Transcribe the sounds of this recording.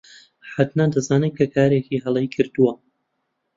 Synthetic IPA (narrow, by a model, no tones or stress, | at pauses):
ħat̪nad̪ɐzaːnɨkʰɐkʰaːɾeːkiɦɐlˠejkʰɨɾd̪uwɐ